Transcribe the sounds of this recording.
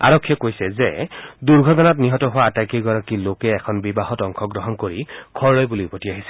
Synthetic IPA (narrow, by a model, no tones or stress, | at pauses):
a̰ɹɔkʰːjɛkojsɛzɛduɹɡʱɔtɔnatniɦɔtɔɦʊwaːtakiɹɡɔɹakilokɛːkʰɔnbibaɦɔtɔŋkʰɔɡɹɔɦɔnkoɹikʰɔɹlɔjbuliupɔtiaɦisɛ